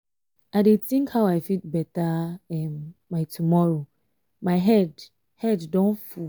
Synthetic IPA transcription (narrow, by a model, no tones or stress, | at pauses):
aɪdetĩŋkhaʊaɪfit̚bɛtaɛmːatʰumɔɹo | maɪɦɛd | hɛddɔ̃nfu